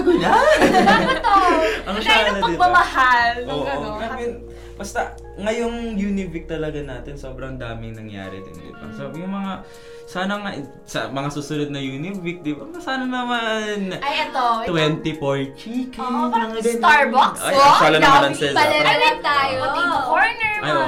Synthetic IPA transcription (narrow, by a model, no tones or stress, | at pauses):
ɡʊɲa | ɛt̪oʔɐŋʃalnɐpɐɪmɐmɐhalʔoːʔoɡamɪn | bɐst̪ɐ | ŋɐjoŋjuːnɪvɪk̚t̪ɐlɐɡanaːt̪ɛnso̞ːbɾɐŋd̪aːmɪŋnɐŋja̰ːɾɛ̰d̪ɪ̰nd̪ɪ̰bɐ̰sojʊŋmɐŋa | saːnɐŋɐʔ | sɐ̰mɐŋasusʊnod̪nɐjuːnɪvɪk̚d̪ɪbɐmɐsaːnɐnɐmanʔɐjɛt̪ot̪wɛnt̪ipojt͡ʃikmɐŋakɐɾɐŋɐt̪aɹbaksɐjɐʃaːlɐnɐmɾɐnsɛlɐlɐlɐt̪aːjoɐmɐkoɹnɛɹɐjʔo